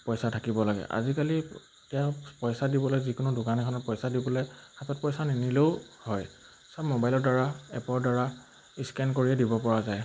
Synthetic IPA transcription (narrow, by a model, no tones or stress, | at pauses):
pɔjsatʰakibɔlaɡɛ̰ʔa̰zikali | tɛapɔjsadibɔlojzikʊnʊdʊkanɛkʰɔnɔpɔjsadibɔlɔjxatɔt̚pɔjsaniniloʊhɔj | sapmobajlɔɹdaɹaɛpɔɹdaɹa | iskɛnkoɹiɛdibɔpɔɹazaj